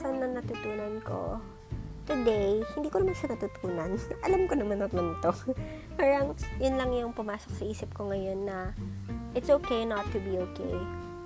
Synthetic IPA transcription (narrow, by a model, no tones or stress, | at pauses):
sɐnɐnɐt̪ut̪uːnɐnko̞̰ | t̪ʊd̪ejhɪnd̪iːkoɐmanʃɐnɐt̪ut̪ʰuːnɐnʔɐlamkonɐmanɐt̪lɐnt̪o | paːɹɐŋjʊnlɐŋjʊŋpʊmaːsok̚sɐʔiːsɪp̚koŋɐjo̞nːɐ | ʔɪt̪sokejnɐt̪ːʊbiʔoːkʰḛj